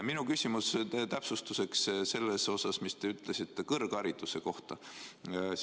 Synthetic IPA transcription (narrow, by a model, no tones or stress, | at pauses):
minukysʲimust̪æpsust̪use̞ksse̞lːeso̞sɑsmist̪eyt̪ːˑle̞sit̪ːˑekɤrɡ̥ɑɾit̪ːˑuse̞ko̞ht̪ɑ